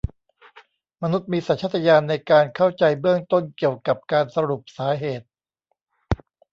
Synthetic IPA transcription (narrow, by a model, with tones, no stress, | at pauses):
ma˧nu˦˥t̪̚miː˧sa˨˩˦nt͡ɕʰt̪ʰːa˧jaː˧nːa˧jkaː˧nkʰa˥˩wt͡ɕa˧jbɯ˥˩əŋt̪o˥˩nki˨˩əwka˨˩p̚kaː˧nsa˧ɾu˨˩p̚saː˩˦˥ɦeː˨˩t̪̚